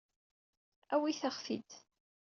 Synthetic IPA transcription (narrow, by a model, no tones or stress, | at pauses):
æwiθəχfḭd̪